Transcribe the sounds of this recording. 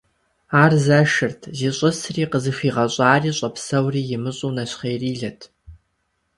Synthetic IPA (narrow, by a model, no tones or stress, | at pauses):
aːrzɐʃɨrtʰziːɕʼʊsriːqəzɨxiːʁɐɕʼaːriːɕʼɐpsɐwriːjɪmɨɕʼuːnɐɕχeːriːɮɐtʰ